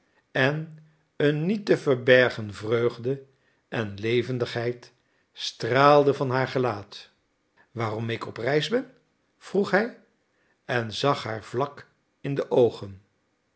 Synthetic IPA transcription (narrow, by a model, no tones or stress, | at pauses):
ɛn | ənːitəvəɹbɛɹχənvrøɥχdə | ʔɛnlejvəndəχɦɛjt | straːlˠdəvɑnɦaːɹχəlaːt | ʋaːrɔmɪkɔprɛjzbɛn | v̥ruχɦɛj | ɛnzɑχɦaːɹv̥lɑk | ɪndəʔowχən